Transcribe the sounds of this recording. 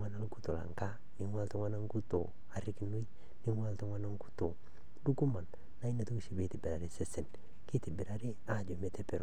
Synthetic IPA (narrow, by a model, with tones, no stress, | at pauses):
ŋa˦na˦lku˦to˨la̰˨ŋka˦ | nɪ˨˦ŋwa˦ltu˦ŋwa˦na˦ŋku˦to̰˨ | a˨ɾɪ˦ki˦no˦i˦ | ni˦ŋwa˦ltu˦ŋwa˦na˦ŋ˦ku̥˦to˨ | du˦ku˦ma˨nː | a˦i˦na˨tu˦kʃi˨be˦ti˨bɪ˨ɾa˨ɾe˦se˦sɛ˨n | ki˦tɪ˨bɪ˨ɾa˨ɾe˦a˨d͡ʒo˨me˦te˦pe˨ɾ